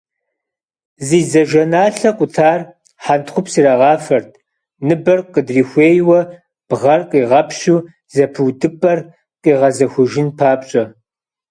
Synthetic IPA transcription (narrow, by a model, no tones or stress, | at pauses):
ziːzɐʒɐnaːɬɐqʷʼʊtʰaːr | ħantχʷʊpsiɾaʁɑːfɐrtʰ | nɨbɐrqədriːxʷeːjwɐ | b̥ʁɐrqʼiːʁɐpʰɕuː | zɐpʰɨwdɨpʼɐr | qʼiːʁɐzɐxʷʊʒɪnpʰaːpɕʼɐ